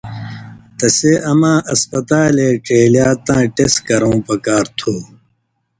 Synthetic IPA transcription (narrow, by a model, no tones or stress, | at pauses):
t̪ɐseɐmãːʔɐspɐt̪aːleːʈeːljaːt̪ãːʈeskɐɾõũpɐkaːɾt̪ʰuː